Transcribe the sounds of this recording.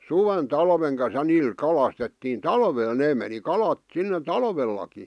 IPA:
suʋen tɑlʋeŋ kɑn̞s jɑ niːl kɑlɑstetːiːn tɑlʋeːl neː meni kɑlɑt sinːe tɑlʋelːɑki

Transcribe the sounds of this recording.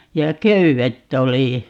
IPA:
jɑ køyʋetː oli

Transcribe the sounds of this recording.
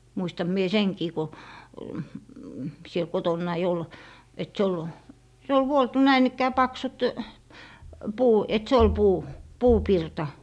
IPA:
muistɑm mie seŋkiː ko siel kotonːɑi ol et se ol se ol ʋuoltu næin ikːæː pɑksut puː et se ol puː puːpirtɑ

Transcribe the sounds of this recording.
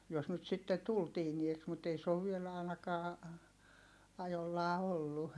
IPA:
jos nyt sitːe tul tiːnieks mut ei se oʋ ʋiel ɑˑinɑkɑː ɑjolːɑː olːu

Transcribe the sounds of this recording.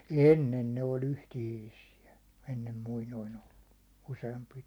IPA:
enːen ne olʲ yhtihiːsiæ enːem muinoin olːu useɑmpi

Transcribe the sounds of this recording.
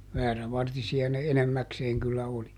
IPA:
ʋæːræʋɑrtisiɑ ne enemːækseːŋ kylːæ oli

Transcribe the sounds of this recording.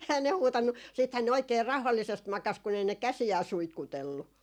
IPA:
ehæn ne huːtɑnːu siːthæn ne oikˑeː rɑu̞hɑlːisest mɑkɑs kun ei ne kæsiæː suitkutelːu

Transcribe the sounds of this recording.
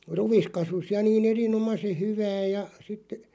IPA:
ruʋ̆is kɑsus jɑ niːn erinomɑse hyʋæː jɑ sit

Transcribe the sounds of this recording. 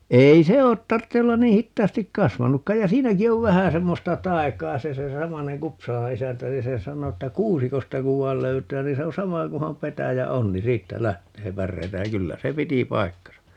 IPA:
ei se o tɑrtːe olːɑn niː hitːɑːstik kɑsʋɑnukːɑ jɑ siːnæki oʋ ʋæhæ semːostɑ tɑi̯kˑɑː se se sɑmɑneŋ kupsɑlɑ isæntæ se se sɑno tːæ kuːsikostɑ kuʋ ʋɑi̯l løytˑæː ni se on̞ sɑmɑ kuhɑm petæjæ on ni siːtːæ læhteː pærːeitæ jɑ kylːæ se piti pɑi̯kːɑsɑ

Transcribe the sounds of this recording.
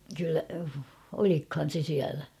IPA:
kylːæ olikhɑn̞ se siælæ

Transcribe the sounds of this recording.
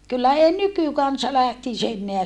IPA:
kylːæ ei nykykɑnsɑ læhtis enːeæ

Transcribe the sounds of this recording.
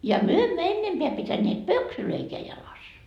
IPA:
jɑ myø emːø enːempeæ pitæneːt pøksyløikeæ jɑlɑs

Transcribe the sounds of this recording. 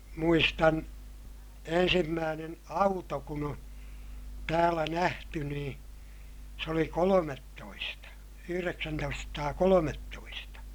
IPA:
muistɑn ensimːæːnen ɑuto kun o tæːlæ næhty niː se oli kolometːoistɑ yhyreksæntoistɑsɑtɑːkolometːoistɑ

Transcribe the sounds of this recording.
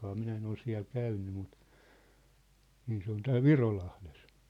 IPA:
minæ en ol siæ̝l kæynːy mut niːn se on tæːl ʋirolɑhles

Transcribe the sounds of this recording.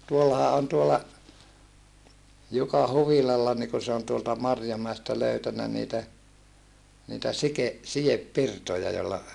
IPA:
tuolːɑhɑ on tuolːɑ jukɑ huʋilɑlːɑ niː ku se on tuoltɑ mɑrjomæestæ løytænæ niːtæ niːtæ sike sijepːirtojɑ jolːɑ

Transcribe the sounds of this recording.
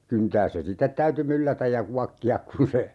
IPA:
kyntæːs se sitːet tæyty mylːætæj jɑ kuɑkːiɑk kun̞ se

